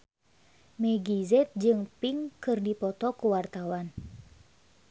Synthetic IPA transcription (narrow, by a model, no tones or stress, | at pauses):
mɛɡizɛt̪̚d͡ʒɨŋpiŋkɨrdipɔt̪ɔkuwart̪awan